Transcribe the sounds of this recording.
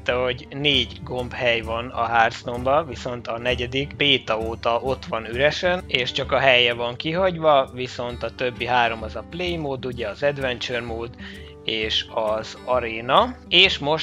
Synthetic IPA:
t̪ɛɦo̞ɟneːɟɡo̞mbhɛjvɒnɒ̰ɦaːrsno̞mbɒviso̞nt̪ɒnɛɟɛd̪ikpeːt̪ɒoːt̪ɒʔo̞t̪ʋɒnyɾɛʃɛneːʃt͡ʃɒkɒɦɛjɛvɒŋkiɦɒɟvɒviso̞nt̪ɒt̪ø̞bːiɦaːɾo̞mɒzɒplejmoːd̪uɟɛɒzɛd̪ʋɛnt͡ʃørmoːd̪ | eːʃɒzɒɾeːnɒeːʃmo̞ʃ

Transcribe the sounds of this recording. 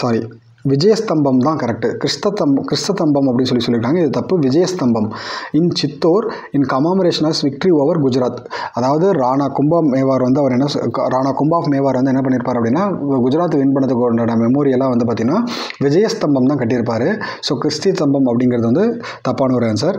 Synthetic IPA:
saːɾi | ʋɪd͡ʒɐjɐst̪ɐmbɐmt̪ãːkɐɾɛk̚ʈɯkɪɾɪst̪ɐt̪ːɐmɐkɪɾɪst̪ɐt̪ːɐmbɐmɐpːɐɽɪnːs̬ɔlːiɯsɔlɪɾkːaːŋɡɐɪðɐt̪ɐpːɯʋɪd͡ʒɐjɐst̪ɐmbɐmɪnt͡ʃɪt̪ːoːɾ | ɪnkɐmaːmɐɾeːʂɐnɐːsʋɪk̚ʈɾioːʋɐɾɡʊd͡ʒɐɾaːt̪ɐðaːʋɐðɯɾaːɳaːkʊmbɐmeːʋaːɾʋɐnd̪ɯɐɐɾɛnːɐɾaːnaːkʊmbaːfmeːʋaːɾʋɐnd̪ɯɛnːɐp̬ɐɳːɪɾɯpːaːɾɐpːɐɽɪnːaːɡʊd͡ʒʊɾaːt̪ːʋɪnpɐɳːɐt̪ːɯkːnɐɐmɛmoːɾɪjɐlaːʋɐnd̪ɯp̬aːɾt̪ɪŋɐnːaː | ʋɪd͡ʒɐjɐst̪ɐmbɐmt̪ãːkɐʈːɪɾɯpːaːɾɯsoːkɪɾɪst̪it̪ɐmbɐmɐpːɐɽɪŋɡɪɾɐðɯʋɐnd̪ɯ | t̪ɐpːaːnɐɔɾjaːnsaːɾ

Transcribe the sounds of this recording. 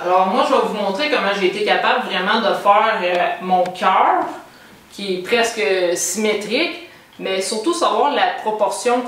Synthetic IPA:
alɔːʁmwaʒəvavumɔ̃t̪ʁekɔmɑ̃ʒeːt̪ekapabləvʁɛmɑ̃d̪əfɛːʁømɔ̃kʲʰœːʁ | kʲiɛpʁɛskəsimet̪ʁɪk | mɛsyʁt̪usavwaːʁlapχɔpɔʁsjɔ̃

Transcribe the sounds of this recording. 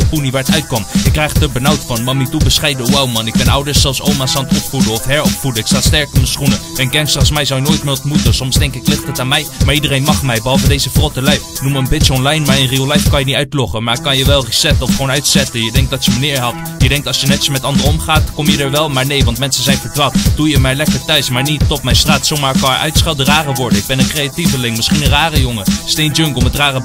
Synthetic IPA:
əpuniʋaːɹətœɥt̚kɔmjɪkːrɛjχtəɹbənawtfɑnmɑmitubəsχɛjdəuwawmɑnɪɡ̚bɛnɑwdəɹssɛlˠfsowmasɑntɔpfudəɔfɦɛɹɔpfudəɪksalˠstɛɹkɔmənsχunəɛnkɛnksɑχsmɛjzɑwjənoːjtmɪːɹɔntmutəsɔmsdɛŋkɪklɪχtɦətaːnmɛjmaːɹidərejnmɑχmɛjbəɦɑlˠvədejzəfrɔtəlɛjnuməənbɪtsəɔnlɛjnmaːɹənriolɛjfkɑnjəniœɥtlɔχəmaːɹkɑnjəʋɛlˠrisɛtəɔfχownœɥtsɛtənjədɛŋk̚dɑtjəmənɪːɹɦɑt | jədɛŋk̚tɑlˠsjənɛtəsmɛtɑndərɔmχaːtkɔmjədəɹʋɛlˠmaːɹnejʋɑntmɛnsənzɛjnvəɹdʋaːtd̥ujəmɛːjlɛkəɹtœɥsmaːɹnitːɔpmɛjnstraːtsowmaːɹkɑnəɹʔœ̰ɥtsχɛlˠdəraːrəʋɔɹdənɪɡ̚bɛnənkrejativəlɪŋmɪsχinənraːrəjoŋəstejnd͡ʒøŋɡəl̩ˠmətraːrə

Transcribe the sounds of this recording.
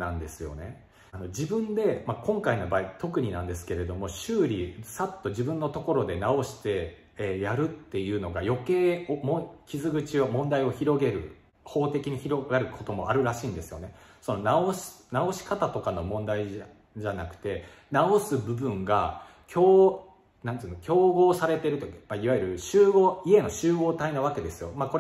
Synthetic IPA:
nãnd̪e̞sɨjo̞̰ne̞ | ano̞d͡ʑibɯ̟̃nd̪e̞makõ̞ŋkaino̞baːit̪o̞kɯ̟ɲ̟inãnd̪es̬ɨ̥ke̞ɾe̞d̪o̞mo̞ɕɨːɾʲisat̪ːo̞ʑibɯ̟̃nːo̞t̪o̞ko̞ɾo̞d̪e̞nao̞ɕi̥t̪e̞ | jaɾɯ̟t̪ːe̞jɯ̟ːno̞ɡajo̞ke̞ːomokʲizɨɡɯ̟t͡ɕiomõ̞nd̪aio̞çiɾo̞ɡe̞ɾɯ̟̰ | ho̞ːt̪e̞kʲiɲ̟içiɾo̞ɡaɾɯ̟kʰo̞t̪o̞mo̞aɾɯ̟ɾaɕiːnd̪e̞sɨ̥jo̞̰ne̞so̞no̞naoɕnao̞ɕi̥kat̪at̪o̞kano̞mõ̞nd̪ai | ʑanakɯ̟̥t̪e̞ | nao̞sɨbɯ̟bɯ̟̃ŋɡa̰ | kʲʰoː | nãnt̪ɨɯːnokʲo̞ːɡo̞ːsaɾe̞t̪e̞ɾɯ̟t̪oimaiβajiɯɾɯ̟ɕɨːɡoːie̞no̞ɕɨːɡo̞ːt̪ainaβ̞ake̞d̪e̞sɨjo̞mako̞ɾ

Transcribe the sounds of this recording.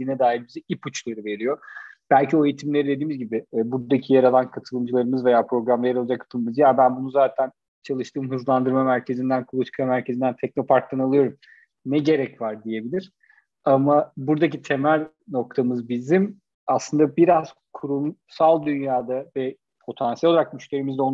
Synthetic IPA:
inɛd̪aːɦilʲbizɛiput͡ʃlˠaɾɯve̞ɾijo̞b̥ælʲcʰio̞ejit̪ʰimlʲe̞ɾid̪e̞d̪iːmizɟibɪːbuɾd̪acʰijaɾalˠankʰat̪ʰɯlˠɯmd͡ʒɯlˠaɾɯmɯzve̞jaːpʰɾo̞ɡɾamlˠejɾod͡ʒakːʰḁt̪ɯlˠɯmɯzɯjaːbænbunuzaːt̪ʰæn | t͡ʃʰalˠɯʃt̪ʰɯːmɦɯzlˠand̪ɯɾmamæɾcʰe̞zind̪ænkʰulˠut̪ʰi̥kʰamæɾcʰe̞zind̪ænt̪ʰɛc̚no̞pʰaɾk̚lˠanalˠɯjo̞ɾum | nɛɟe̞ɾɛcvaɾd̪ije̞bilʲiɾ̥ | amabuɾd̪akcit̪ʰe̞mæɾ | no̞k̚t̪ʰamɯzbizim | aslˠɯnd̪abiɾaz̥kʰuɾumsalˠd̪ynjaːd̪avɛ | pʰo̞t̪ʰansiɛlʲoaɾakmyʃlʲe̞ɾimizd̪ɛon

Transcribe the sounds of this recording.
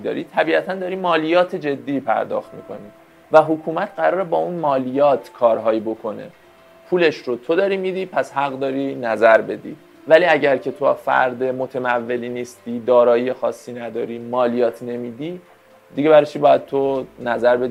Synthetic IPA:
d̪ɒ̰ːɾit̪ʰæbiːæt̪ʰænd̪ɒːɾiːmɒːlijɒːt̪ʰe̞d͡ʒe̞d̪ːiːpʰæ̰ɾd̪ɒ̰ːxt̪mḭːkʰo̞̰ni | væɦokʰuːmæt̪ʰɢæɾɒːɾebɒːunmɒːlijɒːt̪ʰkʰɒːɾɦɒːjibo̞kʰo̞ne̞̰ | pʰuːle̞ʃɾot̪ʰo̞d̪ɒːɾimid̪iːpʰæshæɣd̪ɒːɾinæzæɾbe̞d̪ḭ | væliːæɟæɾcʰe̞t̪ʰoa̰fæ̰ɾd̪emot̪ʰemævːe̞liːniːst̪id̪ɒːɾɒːjiexɒːsːiːnæd̪ɒːɾiːmɒːlijɒːt̪ʰne̞miːd̪i | d̪iɟe̞βæɾɒt͡ʃʰiːbɒːjæd̪̥̚t̪ʰonæzæɾbed̪

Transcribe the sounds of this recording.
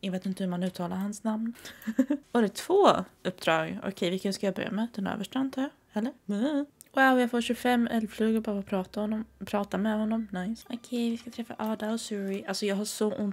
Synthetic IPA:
jɑveːt̪ɪnt̪əhɵmanʉ̟ːt̪ʰɑːlaɾɦansnamn | ɔd̪ɛt̪ʰv̥oːɵp̚ːd̪ɾɑːɡɔ̰kʰɛjvɪlkənskajɑːbœ̰ɾja̰mɛd̪̥ɛnø̰ːvəʂʈɔnt̪ʰa | hɛlːəɾm̩ | waʊjɑfoːɕɵfɛmːɛlfløːɡəɾbɑːɾapʰɾɑːt̪ahɔnːɔmpʰɾɑːt̪amɛhɔnːɔmnajsɔkʰɛjvɪskat̪ʰɾɛfːa̰ʔɑːd̪aɔsʉɾɪʔalsɔjɑːɡɦaʂɔʔʊnt̪

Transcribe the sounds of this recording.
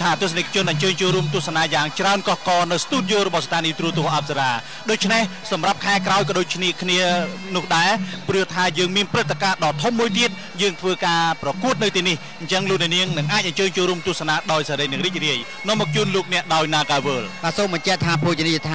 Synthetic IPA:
t̪ʰaːt̪uəsanekʰːat͡ɕʊənʔɑɲt͡ɕəːɲt͡ɕoːlɾuəmt̪ŭəhsanaːjaːŋt͡ɕraənkɑhkɑːnɨwst̪uːt̪̚jolrɔɓɑhst̪ʰaːniːt̪ruət̪ʊ̆əhʔap̚saɾaː | ɗoːc̚t͡ɕʰnehsɑmrap̚kʰaɛkraɔjkɑɗoːc̚kʰniəkʰniənʊ̆əhɗaɛprɨəht̪ʰaːjəːŋmiənprɨt̪ʰːakaːɗɑːt̪ʰumːuəjt̪iət̪̚ | jəːŋt̪ʰʋəːkaːprɑkuət̪̚nɨwt̪iənih | ɲt͡ɕəŋloːk̚nɛ̆əʔniəŋnɨŋʔaːc̚ʔɑɲt͡ɕəːɲt͡ɕoːlɾuəmt̪ŭəsanaːɗaɔjsaɾəjnɨəŋriːc̚riəj | nɔ̆əmːɔːk̚t͡ɕuːnloːk̚nɛ̆əʔɗaɔjnaːkaːʋəːlɓaːsoːmɓɑɲt͡ɕɛʔt̪ʰaːpʰot͡ɕinijt̪ʰaː

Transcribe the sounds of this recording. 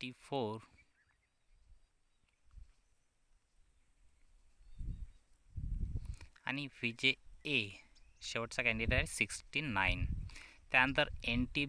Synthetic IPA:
ʈifoɾ | a̰ñiʋid͡ʑeː | ɕeʋəʈt͡sakɛ̃ɳɖiʈeʈsiksʈinaint̪janənt̪əɾenʈi

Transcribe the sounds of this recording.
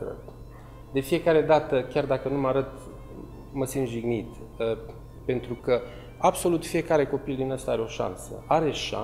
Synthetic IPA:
ə̰ | d̪e̞fije̞kaɾe̞d̪at̪əkʲard̪akənumaɾət̪ | məsint̪ʒiɡnit̪ | pe̞nt̪ɾukə | abso̞lut̪fije̞kaɾe̞ko̞pild̪inast̪aaɾeo̞ʃa̰nsə̰aɾe̞ʃa̰

